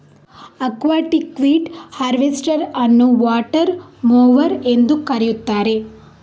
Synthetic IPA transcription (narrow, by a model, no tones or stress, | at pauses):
ɐkʋaːʈikʋiːʈhɐɾʋesʈɐɾɐnːuʋaːʈɐɾmoːʋɐɾe̞nd̪ukɐɾijut̪ːaːɾe̞